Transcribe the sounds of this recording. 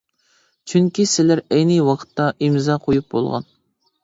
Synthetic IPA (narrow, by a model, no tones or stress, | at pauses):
t͡ʃʰyŋkʲisɪlæɾɛjnɨwɑqʰə̥t̪ːɑʔimzɑqʰojup̚bo̰lˠʁɑ̰n